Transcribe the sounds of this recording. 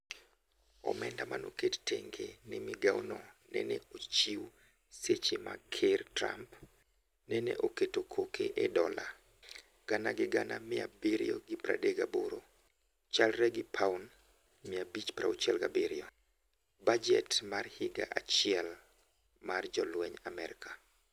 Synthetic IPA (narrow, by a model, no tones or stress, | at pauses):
ɔ̰mɛndamanokettʰeŋɡenɪmɪɡawnɔnɛ̰nɛot͡ʃiw | set͡ʃema̰kʰertɾa̰mp | nɛnɛ̰ʔoketokʰokʰeʔɛdɔla | ɡ̥anaɡɪɡanamɪa̰biɾjoɡɪpɾa̰deɡaboɾo | t͡ʃalɾɛɡɪpʰaun | mɪabit͡ʃpɾaot͡ʃɛlɡabiɾjɔ | bad͡ʒɛtmarhɪɡaʔat͡ʃɪɛl | mard͡ʒɔlwɛɲamɛɾɪka